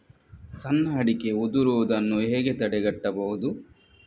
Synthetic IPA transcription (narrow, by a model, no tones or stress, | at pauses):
sɐnːɐɐɽike̞ud̪uɾuʋɐd̪ɐnːuɦeːɡe̞t̪ɐɽɛɡɐʈːɐbɐɦud̪u